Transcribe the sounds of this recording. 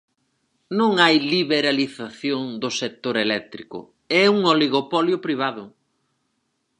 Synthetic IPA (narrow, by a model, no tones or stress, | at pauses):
nõŋajliβeɾaliθaθjoŋd̪ʊsek̚t̪oɾelɛk̚t̪ɾikʊ̰ | ɛuŋoliɣopɔljʊpɾiβ̞aðʊ